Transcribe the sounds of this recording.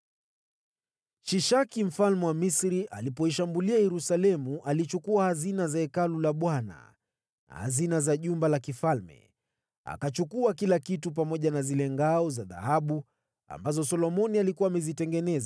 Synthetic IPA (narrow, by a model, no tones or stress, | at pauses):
ʃiʃakim̩falmɛwamisɾiʔalipɔiʃambuliajɛɾusalɛmuʔalit͡ʃukuahazinazaɛkalulaɓwana̰ | na̰ha̰zinazaʄumbalakifalmɛ̰ | a̰kat͡ʃukuakilakitup̬amɔʄanazilɛŋɡaɔzaða̰haɓu | a̰mbazɔsɔlɔmɔnialikuwaːmɛzitɛŋɡɛnɛza